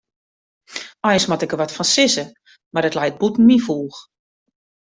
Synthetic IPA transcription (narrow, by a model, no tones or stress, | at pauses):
ɔjənsmɔtɪkəʋɔtfɔnsɪsə | mardətlɛjt̚butn̩mifuːx